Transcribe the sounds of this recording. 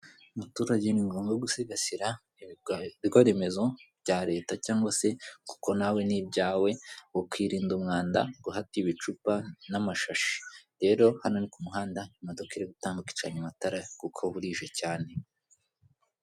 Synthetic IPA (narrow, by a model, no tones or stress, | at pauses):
umutuːɾaɟeniŋɡoːmɡoɡuseɡasiɾa | iɾɡwaɾe̞me̞zo̞bɟaːɾe̞ːtacaːŋɡwase̞ku̥ko̞nawe̞nibɟaːwe̞wokwiːɾiːndumŋaːnda̰ɡ̥uɦatiβit͡ʃupanamaʃaʃi̥ɾe̞ːɾo̞hano̞nikumuɦaːndaimadokiɾeɡutaːŋɡuki̥t͡ʃaɲamataɾakukʰoβuɾiːʒe̞caːne̞